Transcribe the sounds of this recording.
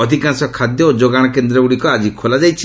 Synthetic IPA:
ɔd̪ʱikansɔkʰad̪jɔod͡ʒoɡaɽ̃ɔkend̪ɾɔuɽikɔad͡ʒikʰolad͡ʒajt͡ʃʰi

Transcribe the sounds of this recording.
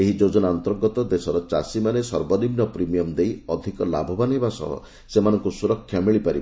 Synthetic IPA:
eɦid͡ʒod͡ʒɔnaɔnt̪ɔɾɡɔt̪ɔd̪esɔɾɔt͡ʃasimanesɔɾbɔnibnɔpɾimijɔmd̪ejɔd̪ʱikɔla̰bʱɔbanibasɔ̰ɦɔ̰ | semanɔŋkusuɾɔkʰːjamiɭipaɾib

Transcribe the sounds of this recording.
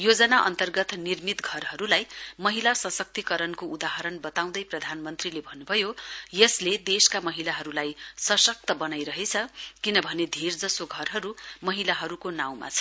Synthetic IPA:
jod͡zʌnaʔʌ̰nt̪ʌrɡʌt̪nirmit̪ɡʱʌrɦʌɾulajmʌɦilasʌsʌk̚t̪ikʌɾʌnkoud̪aɦʌɾʌnbʌt̪aw̃d̪ʌjprʌd̪ʱanmʌnt̪rilebʱʌnːubʱʌjojʌsled̪eskamʌɦilaɦʌɾulajsʌsʌk̚t̪ʌbʌnajɾʌɦet͡sʰʌkinʌbʱʌned̪ʱird͡zʌsoɡʱʌrɦʌɾumʌɦilaɦʌɾukonaw̃ma̰t͡sʰʌ̥

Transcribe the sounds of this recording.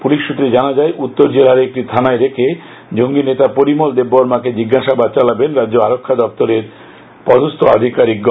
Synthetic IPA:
puliʃːut̪ːɾed͡ʑanad͡ʑaeʔut̪ːoɾd͡ʑelaɾek̚ʈit̪ʰanaeɾekʰe | d͡ʑoŋɡinet̪apoɾimold̪ebːɔɾmaked͡ʑiɡːaʃabad̪̚t͡ɕalabenɾadːd͡ʑoaɾokʰːad̪ɔpt̪oɾeɾ | pɔd̪ost̪ʰoad̪ʱikaɾik̚ɡɔ

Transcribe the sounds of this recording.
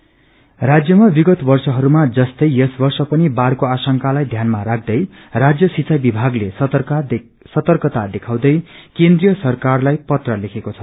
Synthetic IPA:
rad͡zjʌmabiɡʌt̪bʌrsʌɦʌɾumad͡zʌst̪ʌjesbʌrsʌpʌnibarkoasʌŋkalajd̪ʱjanmaɾak̚ʰd̪ʌj | rad͡zjʌsit͡sʰajbibʱaɡles | sʌt̪ʌrkʌt̪ad̪ekʰaw̃d̪ʌjkend̪rijʌsʌrkarlajpʌt̪rʌlekʰekot͡sʰʌ̥

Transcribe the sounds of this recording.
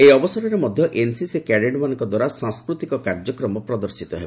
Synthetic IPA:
eɔbɔsɔɾɔɾemɔd̪ʱjɔʔensisekɛɽeɖmanɔŋkɔd̪waɾasãŋskɾut̪ikɔkaɾd͡ʒɔkɾɔmɔpɾɔd̪ɔɾsit̪ɔɦebɔ

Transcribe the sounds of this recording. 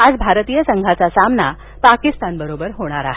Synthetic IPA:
ad͡zbʱaɾt̪ijəsəŋɡʱat͡sasamna | pakist̪anbəɾobəɾɦoɽ̃aɾaɦe

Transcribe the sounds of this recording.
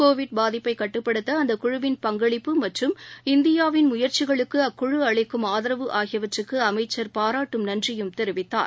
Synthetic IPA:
koːʋɪɖ̚baːðɪpːɐɪkɐʈːɯpːɐɽɯt̪ːɐːnd̪ɐkʊɻʊʋɪnpɐŋɡɐɭɪpːɯmɐʈrɯmɪnd̪ɪjaːʋɪnmʊjɐɾt͡ʃɪɣɐɭɯkːɯɐkːʊɻɯɐɭɐɪkːɯmaːðɪɾɐʋɯʔaːɣɪjɐʋɐʈrɯkːɯɐmɐɪt͡ʃːɐɾpaːɾaːʈːɯmnɐndrɪjɯmt̪ɛɾɯʋɪt̪ːa̰ːɾ

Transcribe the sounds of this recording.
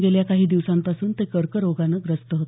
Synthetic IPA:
ɡeljakaɦiːd̪iʋsampasuːnt̪ekəɾkəɾoɡanəːɡɾəst̪əɦot̪

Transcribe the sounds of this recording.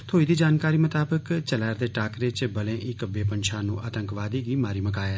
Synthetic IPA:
t̪ʰoːiːd̪iːd͡ʒaːnkaːɾiːmət̪aːbəkt͡ʃəlɛːɾd̪eːʈaːkɾeːt͡ʃbəlẽːʔɪkbeːpənʃʰaːnṵ̃ːʔaːt̪ə̃ŋkʋaːd̪iːɡiːmaːɾiːməkaːeː

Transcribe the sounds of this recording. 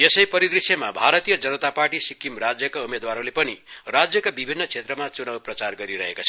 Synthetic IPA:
esʌjpʌɾid̪ɾisʌmabʱaɾʌt̪ijʌd͡zʌnʌt̪aparʈisikːimrad͡zjʌkaumed̪waɾõlepʌnirad͡zjʌkabibʱinːʌt͡sʰet̪rʌmat͡sunawprʌt͡sarɡʌɾiɾʌɦekot͡sʰʌ

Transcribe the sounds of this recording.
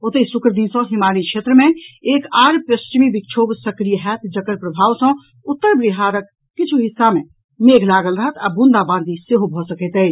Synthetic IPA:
ot̪esʊkɾəd̪insə̃ɦɪmaːɾikʃʰeːt̪ɾəmẽeːkaːɾpəst͡ʃmibikt͡ʃʰoːbsəkɾijəɦɛt̪ʰd͡ʒəkəɾpɾəbʱaːʋsə̃ | ʊt̪ːəɾbɾiɦaːɾəkː | ɪt͡ʃʰuɦɪsːamẽ | meːɡʱlaːɡəlɾəɦət̪abũnd̪abãːnd̪iseɦobʱɔsəkɛt̪ə

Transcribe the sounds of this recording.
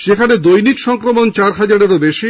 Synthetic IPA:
ʃekʰaned̪ojnikʃɔŋkɾomont͡ɕaɾɦad͡ʑaɾeɾobeʃi

